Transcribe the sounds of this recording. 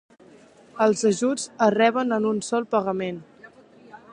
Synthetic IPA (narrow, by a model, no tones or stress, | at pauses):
əlˠzəʒud͡zərɛβ̞ənənunsɔlˠpəɣəmen